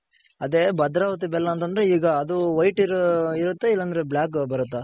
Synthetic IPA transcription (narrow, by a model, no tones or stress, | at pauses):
ɐd̪ebɐd̪ɾaːʋɐt̪ibɛlːɐːnt̪ɐnd̪ɐɾeiːɡɐːd̪uʋɐjʈiɾiɾut̪ːeilːɐnd̪ɐɾebljaːkbɐɾut̪ːɐ